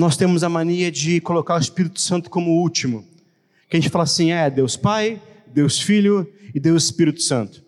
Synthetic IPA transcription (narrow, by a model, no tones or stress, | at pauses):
nɔst̪ẽmʊzɐmɐ̃niɐd͡ʒɪkolokaɾʊɪspiɾit̪ʊ̥sɐ̃nt̪ʊ̥kõmʊut͡ʃimʊ | kɪɐʒẽt͡ʃɪ̥falɐasĩɛɛd̪ewspajd̪ewsfiʎʊɪd̪ewɪspiɾit̪ʊ̥sɐ̃nt̪ʊ̥